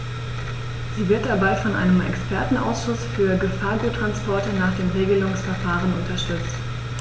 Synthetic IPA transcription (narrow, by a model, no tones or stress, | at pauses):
z̥iːvɪɐt̚d̥abaɪfɔnʔa̰ɪnəmʔɛ̰kspʰɛɐtn̩ʔa̰ʊsʃʊsfyːɐɡəfaːɐɡuːtʁ̥anspɔɐtənaːχd̥eːmʁeːɡəlʊŋsfɛɐfaːʁənʊntɐʃtʏt͡st